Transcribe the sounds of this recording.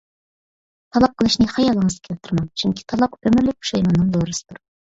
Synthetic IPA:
t̪ʰɑlˠɑp̚qʰəlˠɨʃnɨhɑjɑlˠːəŋəz̥kʲʰɛlt̪ʰːɨɾmɑnt͡ʃʰyŋkʲʰi̥t̪ʰɑlˠɑqømɪɾlɪk̚ʲu̥ʃɑjmɑnːɨŋd̪oɾɨsɨ̥d̪uɾ

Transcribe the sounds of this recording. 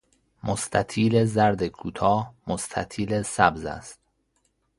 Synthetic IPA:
most̪ʰæt̪ʰiːle̞zæɾd̪ekʰuːt̪ʰɒːmost̪ʰæt̪ʰiːlesæbzæ̰st̪̚

